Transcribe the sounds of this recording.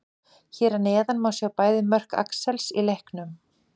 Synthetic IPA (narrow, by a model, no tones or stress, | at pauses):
çɛːɾaneːðanmaːwsjɛawpaːjðɪmœr̥ka̰ksɛlsilehknʏm